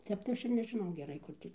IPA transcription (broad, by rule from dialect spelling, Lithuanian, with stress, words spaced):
ˈtʲɛp tɐɪ ˈɐʃ ɪr nʲɛʒʲɪˈnɐʊ ɡʲɛˈrɐɪ ˈkʊr tʲiː